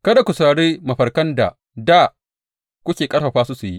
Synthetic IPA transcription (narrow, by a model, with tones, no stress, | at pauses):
kɐ˦da˨kʷʊ˨sa˨ɽeː˦mɐ˨ɸɐ˨rkɐ˦nda̰˨ | da˦˨ | kʷʊ˦kʲeː˨kʼɐ˦ɽɸɐ˨ɸaː˦su˦su˨jḭ˦